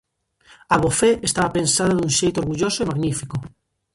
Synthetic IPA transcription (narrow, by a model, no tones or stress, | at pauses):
aβofeest̪aβapensaðaðunʃejt̪oɾɣuʎosoimaɣnifiko